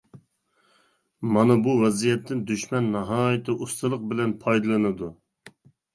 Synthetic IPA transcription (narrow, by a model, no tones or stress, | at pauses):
mɑnɨbuwɛzijɛt̪ʰːɪnd̪yʃmɛnːɑɦɑːjɪt̪ʰɨʔust̪ʰɨlˠəq̚bɪlɛnpʰɑjd̪ɨlˠɨnɨd̪u